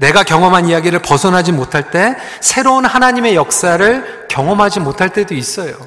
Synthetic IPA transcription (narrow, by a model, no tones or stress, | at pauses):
ne̞ɡakjʌŋʌmɦanijaɡiɾɯɭpʌsʰʌnɦad͡ʑimotʰaɭt͈e̞ | sʰe̞ɾounhanaɲime̞jʌk̚s͈aɾɯɭ | kjʌŋʌmɦad͡ʑimotʰaɭt͈e̞dois͈ʌjo